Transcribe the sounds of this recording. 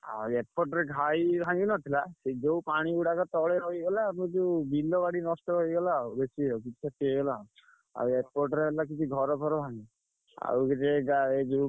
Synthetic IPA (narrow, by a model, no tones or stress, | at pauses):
a̰eɾpɔɾʈɔɾeɡʱajbʱaŋɡinɔt̪ʰilased͡ʒewpaɽ̃iuɽakɔt̪ɔɭeɾɔɦiɡɔlamud͡ʒewbild̪ɔbaɽinɔstɔɦojɡɔlaubesiɔkit͡ʃʰi̥sʰat̪iɦojɡɔla | a̰ueɾpɔɾʈɔɾeɦelak̬it͡ʃʰiɡʱɔɾɔp̪ʰɔɾɔbʱaŋɡi | a̰ukiteɡaed͡ʒe